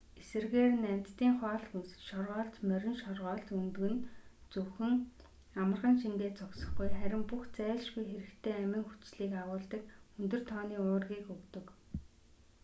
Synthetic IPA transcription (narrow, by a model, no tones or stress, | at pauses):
esɘ̆rɣeːrnæm̥ʲt̪t̪iːŋχɔːɮxunsɘ̥̆t͡ɕʃɔrʁɔːɮt̪mœɾʲɪ̆nʃɔrʁɔːɮt̪unt̪ɣɘ̆nt͡sɵwxɵ̆ŋ | amə̆rʁə̆nʃiŋɡeːt͡sɔksə̆χɡujχæɾʲɪ̆mpuxt͡sæːɮʃɡujxeɾɘ̆kt̪ʰeːæmʲɘ̆ŋxu̥t͡ɕɮiːkawʊːɮt̪ə̆kɵnt̪ɵ̆r̥t̪ʰɔːniːʊːrɣiːkɵkt̪ɵ̆k